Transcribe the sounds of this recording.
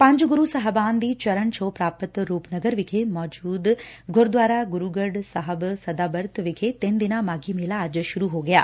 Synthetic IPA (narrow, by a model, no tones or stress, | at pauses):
pɐ̃ɲd͡ʒɡuɾusɐɦɐbaːnd̪iːt͡ʃɐɾəɳt͡ʃʰoːpɾaːpət̪ɾuːpnɐɡəɾʋɪɡʰemɔːd͡ʒuːd̪ɡʱoɾd̪ʋaːɾaːɡuɾuːɡɐɖsɐɦəbsɐd̪aːbɐɾt̪ʰʋikʰet̪end̪inaːmaːɡiːmeːlaːd͡ʒɐʃʊɾuɦoːɡɐja̰ː